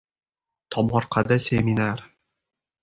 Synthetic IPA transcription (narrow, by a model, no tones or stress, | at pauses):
t̪ʰɒmɒɾqʰad̪asʲeminaɾ